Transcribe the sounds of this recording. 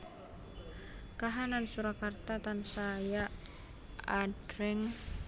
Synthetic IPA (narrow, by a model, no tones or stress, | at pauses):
kaɦanansuɾakart̪at̪ansaja | aɖ̥ɾɛŋ